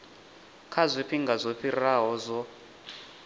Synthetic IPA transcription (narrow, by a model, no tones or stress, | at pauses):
kʰazʷiɸʰiŋɡazʷɔɸʰiɾaɦɔzʷɔ